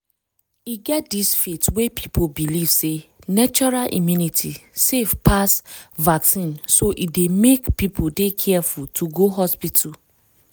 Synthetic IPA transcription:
iɡɛt̚disfetwepʰi̥pobiliv̥senat͡ʃɔɹalʔḭmjunitʰisefpʰasvaksĩnsoʔidemekpipʰodekʰɛfultʰuɡoɦɔspitʰu

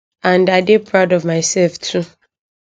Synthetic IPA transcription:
ãndaɪdipʰɹaʊdɔvmaɪsɛlftʰu

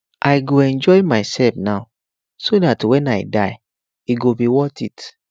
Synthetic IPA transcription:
ʔajɡoɛ̃nd͡ʒɔɪmaɪsɛlfnaʊ | sodatwɛ̃najdaj | iɡobiwɔtit

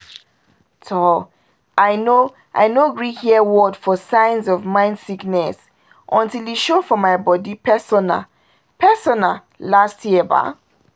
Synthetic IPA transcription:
tʰɔ | ʔaɪno | ʔa̰ɪnoɡɹihiəwɔdfɔsãɪ̃nzɔvmãɪ̃ndsiknɛs | ʔɔ̃ntiliʃofɔmaɪbɔdipʰɛsɔna̰ | pʰɛsɔna | lastjiɛba̰

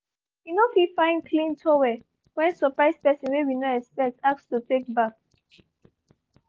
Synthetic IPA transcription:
winofifãɪ̃nkʰlĩntʰɔwɛ | wɛ̃nsɔpɹaɪspɛsɔ̃nwewinoɛkspɛk̚tak̚stutek̚bak̚

